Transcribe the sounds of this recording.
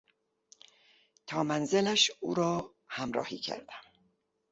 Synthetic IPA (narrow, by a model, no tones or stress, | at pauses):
t̪ʰɒːmænze̞læʃuːɾɒː | hæmɾɒ̰ːhiːcʰæ̰ɾd̪̥æm